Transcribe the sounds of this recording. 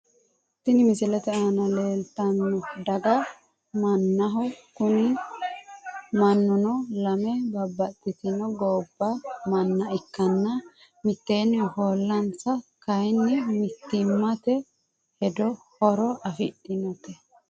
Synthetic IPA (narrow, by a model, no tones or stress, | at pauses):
t̪ːɪnɪmɪsɪlɛt̪ɛaːnɐleːlt̪ɐnːɔd̪ɐɡɐ | mɐnːɐɦɔkʊnɪ | mɐnːʊnɔlɐmɛbɐbːɐt̪ʼːɪt̪ɪnɔɡɔːbːɐmɐnːɐɪkːɐnːɐ | mɪt̪ːeːnːɪhoːlːɐnt͡sːɐkɐjnːɪmɪt̪ːɪmːɐt̪ɛ | hɛd̪ɔhɔɾɔɐfɪɗɪnɔt̪ɛ